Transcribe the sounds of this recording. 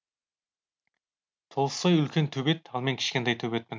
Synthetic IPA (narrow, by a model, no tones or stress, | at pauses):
t̪ʰolˠəsːɑjʏlkʲent̪ʰɵbet̪ɑlˠmeŋkʲʰɪ̥ʃkʲent̪ejt̪ʰɵbet̪̚mɪn